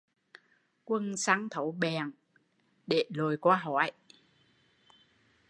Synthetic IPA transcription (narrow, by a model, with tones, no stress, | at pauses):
kwə˧nsa˧˥ŋt̪ʰə˨˦wɓɛ˨˩ŋ | ɗe˧˩lo˨˩jkwaː˧ɦɔ˧˩˦j